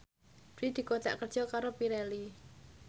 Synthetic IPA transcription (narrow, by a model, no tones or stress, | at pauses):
did̪̥i̤kot̪ɛ̰ʔkərʒ̥ɔkaɾopiɾɛli